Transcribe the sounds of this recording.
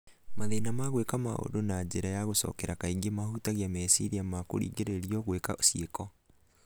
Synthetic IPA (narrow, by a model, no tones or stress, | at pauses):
maðenamaɣwekama̰o̰donad͡ʒeɾajaɣosɔ̰ːkɛɾakaiŋɡemahutaɣiamɛsiɾiamako̰ɾḭːɣeɾeɾiɔɣwekaosiekɔ